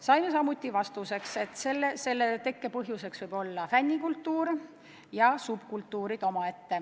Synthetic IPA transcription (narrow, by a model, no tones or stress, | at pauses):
sɑjme̞sɑmut̪ʲːˑivɑst̪use̞kse̞t̪ˑselːese̞lːet̪e̞kːe̞pɤɦjuse̞ksvɤjb̥o̞lːɑfænʲːikult̪ːˑuːɾ | jɑsub̥kult̪ˑːuːɾid̪̥o̞mɑe̞t̪ːe̞